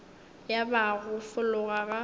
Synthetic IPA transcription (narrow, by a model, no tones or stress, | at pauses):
jabaɣʊfʊlʊɣaɣa